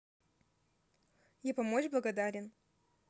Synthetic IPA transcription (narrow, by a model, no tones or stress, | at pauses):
japɐmot͡ɕblˠɐɡɐd̪aɾʲɪn